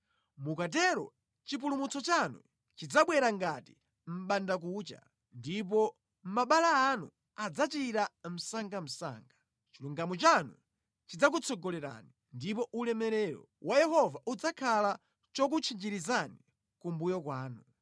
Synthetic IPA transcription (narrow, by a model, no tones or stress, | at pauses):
mukat̬ɛɾɔ̰ | t͡ʃip̬ulumut͡sɔt͡ʃanṵ | t͡ʃid͡zaɓwɛɾaŋɡati | m̩ɓandak̬ut͡ʃa̰ | ndip̬ɔ | m̩maɓalaːnṵ | ad͡zat͡ʃiɾam̩saŋɡam̩sa̰ːŋɡa | t͡ʃiluŋɡamut͡ʃanu | t͡ʃid͡zak̬ut͡sʰɔɡɔlɛɾa̰ni | ndipɔʔulɛmɛɾɛɾɔ̰wʔajɛhɔvaʔud͡zakʰala | t͡ʃɔk̬ut͡ʃʰind͡ʒiɾizani | kumbujɔkwaːnu